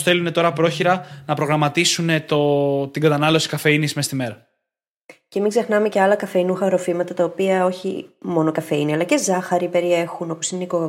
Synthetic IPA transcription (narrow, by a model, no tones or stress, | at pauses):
sθe̞lune̞t̪o̞ɾɐpɾo̞çiɾɐnɐpɾo̞ɣɾɐmɐt̪isune̞t̪ot̪iŋɡɐt̪ɐnɐlo̞si̥kɐfe̞inismest̪ime̞ɾɐ | ce̞miɡze̞xnɐme̞ce̞ɐlɐkɐfe̞inuxɐɾo̞fimɐt̪ɐt̪ɐopiɐo̞çḭmo̞no̞kɐfe̞iniɐlɐcezɐxɐɾipe̞ɾie̞xuno̞po̞sineiko